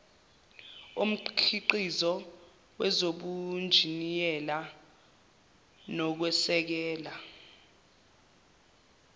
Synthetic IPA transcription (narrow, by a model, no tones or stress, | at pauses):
um̩ǃkʰiǃizɔ | wɛzoɓund͡ʒʱinijɛla | nɔk̬wɛsɛk̬ɛːla